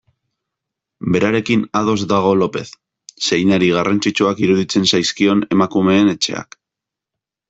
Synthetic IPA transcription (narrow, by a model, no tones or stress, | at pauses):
be̞ɾaɾe̞kinaðo̞zd̪aɣ̞o̞lo̞pe̞θ | se̞jnaɾiɣ̞arant͡sit͡ʃuakiɾuðit͡se̞nsajskio̞ne̞makume̞ːne̞t͡ʃe̞̰a̰k